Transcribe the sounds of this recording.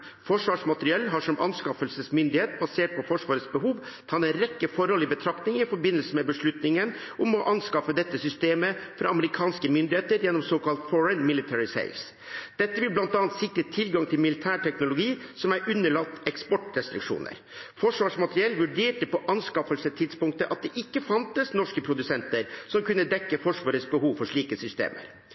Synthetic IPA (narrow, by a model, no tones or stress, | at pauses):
fɔʂʋɑːʂmɑt̪ɾɪɛlːɦɑːʂɔmʔɑnskɑfəlsəsmʏnd̪ɪheːt̪bɑseːʈ̚pʰɔfɔʂʋɑːɾət̪sbəɦuːʋt̪ʰɑɛnɾɛkːəfɔɾɔlɪbət̪ʰɾɑkt̪nɪŋɪfɔɾbɪnəlsəmɛbəʂɭʉt̪nɪŋən | ʔʊmɔʔɑnskɑfəd̪ɛt̪ːəsʏst̪eːməfɾɑɑməɾɪkʰɑːnskəmʏnd̪ɪheːt̪əɾjɛnːɔmsɔkɑlt̪fɔɹənmɪlɪt̪ʰɛɹɪsḛɪfs | d̪̥ɛt̪ːəʋɪlblɑnt̪ɑːnt̪sɪkɾət̪ʰɪlɡɑŋt̪ʰɪlmɪlɪt̪ʰæːʈʰɛknʊlʊɡiːsɔmæɾʔʉnːəɭɑt̪ːɛkspɔʈɾɛst̪ɾɪkʂṵːnə̰ɾ | fɔʂʋɑːʂmɑt̪əɾɪɛlːʋʉɖeːʈəpɔʔɑnskɑfəlsət̪ʰɪd̪spʊŋk̚t̪əʔɑt̪̚d̪ɛʔɪkːəfɑnt̪əsnɔʂkəpʰɾʊd̪ʉsɛnt̪əɾsɔmkʰʉnːəd̪ɛkːəfɔʂʋɑːɾət̪sbəhuːʋfɔʂɭiːkəsʏst̪ḛːmʔə̰ɾ